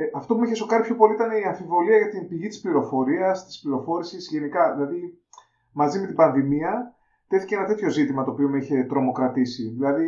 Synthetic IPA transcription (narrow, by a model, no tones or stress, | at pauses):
ʔɐft̪opumiçeso̞kɐɾipço̞po̞liit̪ɐne̞iɐɱfivo̞liɐʝɐt̪imbiʝit̪ispliɾo̞fo̞ɾiɐst̪i̥spliɾo̞fo̞ɾisizʝe̞nikɐðilɐði | mɐzime̞t̪ibɐnðimiɐ | t̪e̞θi̥ceenɐt̪e̞t̪ço̞zit̪imɐt̪oːpio̞meiçe̞t̪ɾo̞mo̞kɾɐt̪isiðilɐði